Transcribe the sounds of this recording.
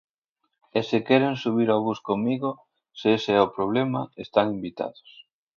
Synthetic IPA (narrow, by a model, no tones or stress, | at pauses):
esekɛɾeŋsuβ̞iɾaβuskomiɣo | seseɛopɾoβ̞lema̰est̪aŋimbit̪a̰ðo̥s